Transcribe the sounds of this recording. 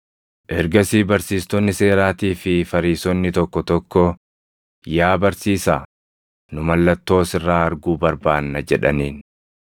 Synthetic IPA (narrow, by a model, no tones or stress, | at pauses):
ʔɛɾɡɐsiːbɐɾsiːst̪ɔnːɪse̞ːɾaːt̪iːfɪfɐɾiːsɔnːɪt̪ɔkːɔt̪ɔkːɔ | jaːbɐɾsiːsaː | nʊmɐlːɐt̪ːo̞ːsɪrːaːɐɾɡuːbɐɾbaːnːɐd͡ʒɛᶑɐniːn